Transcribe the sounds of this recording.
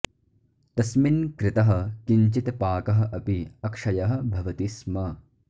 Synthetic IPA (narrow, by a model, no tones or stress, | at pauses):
t̪ɐsminkɾɪt̪ɐɦɐ̆kiɲt͡ʃit̪paːkɐɦɐ̆ʔɐpiɐkʂɐjɐɦɐ̆bʱɐʋɐt̪ismɐ